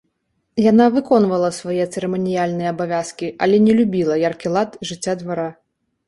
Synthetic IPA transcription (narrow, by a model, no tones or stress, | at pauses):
janavɨkɔn̪vɐlˠɐsvajɛt̪sɛɾɛmɔnʲijalʲnɨjɐːbavʲaskʲiʔɐlʲɛnʲɛlʲubʲilˠɐjarkʲilˠat̪ʐɨt͡sʲːad̪vaɾa